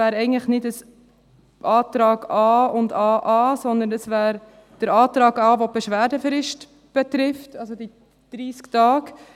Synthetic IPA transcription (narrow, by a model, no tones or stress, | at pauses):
æːɾɛɪɡəŋ̩tləχnɪdəs | ʔɑːt̪ɾɑːɡɑːʊndɑːʔɑːsɔnd̪ənəsvæːɾ | d̥əɾɑːtɾɑːɡɑːʋob̥ɛʃʋæːɾdəfɾɪʃt | b̥ɛtɾɪftɑlsod̥i | d̥ɾiːsktɑːɡ